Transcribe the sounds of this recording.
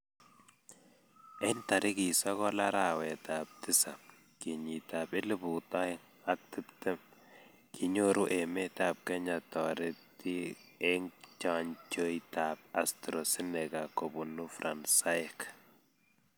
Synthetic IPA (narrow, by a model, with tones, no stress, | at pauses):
ɛ˦nta˨ɾʔɪ˦ki˨sɔ˦kɔ˦la˦ɾa˨wɛ˨ta˨p̚tɪ˦sa˨ | kɪ˨ɲi˨ta˨bɪ˦lɪ˦bu˨ta˦ɪ˦ŋ | a˦k̚tɪ˦ptɛ˦m | kʰɪ˨ɲo˦ɾu˦ʔɛ˨mɛ˦ta˨p̚kɛ˦ɲa˨tɔ˨ɾɪ˦p̚ti˦e˦ŋt͡ʃa˨ɲt͡ʃo˦ita˨p̚a˨stɾɔ˨sɪ˦nɛ˨ka˨ko˨bu˨nu˦fɾa˨nsa˦ɛk